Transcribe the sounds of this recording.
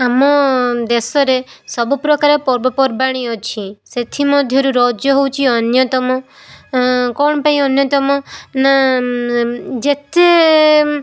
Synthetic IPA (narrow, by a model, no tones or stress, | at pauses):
amɔd̪esɔɾesɔbupɾɔkaɾepɔɾbɔpɔɾbaɽ̃iɔt͡ʃʰiset̪ʰimɔd̪ʱjɔɾuɾɔd͡ʒjɔɦowt͡ʃʰiɔnjɔt̪ɔmɔ | kɔɽ̃ɔpaĩɔnjɔt̪ɔmɔna | d͡ʒet̪e